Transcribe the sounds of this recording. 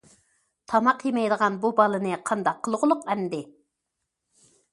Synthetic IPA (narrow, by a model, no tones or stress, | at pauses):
t̪ʰɑmɑqjemɛjd̪əʁɑnbubɑlˠɨnɨqʰɑnd̪ɑqʰːəlˠʁʊlˠʊqɛnd̪ɪ